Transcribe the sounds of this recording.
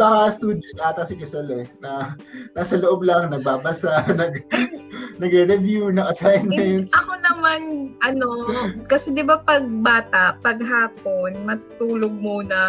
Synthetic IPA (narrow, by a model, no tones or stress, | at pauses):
bɐkɐst̪uːd̪josat̪ɐsɪɡɛsɛlɛnɐ | naːsɐloʔob̚lɐŋnɐɡ̚baːbɐsaʔnɐɡ | nɐɡɾɛɾɛvjunɐŋʔɐsajnɛnt̪sɐkonɐmanʔɐno̞kɐsɛd̪ɪbapɐɡ̚baːt̪ɐʔpɐɡ̚ɦaːp̚onmɐt̪u̥t̪uːloɡ̚muːnɐ